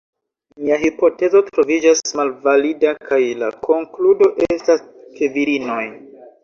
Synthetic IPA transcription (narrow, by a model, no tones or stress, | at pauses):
miaɦipo̞te̞zo̞tɾo̞vid͡ʒasmalvalidakʰajla̰kʰo̞ŋkludo̞ʔestas | keviɾino̞j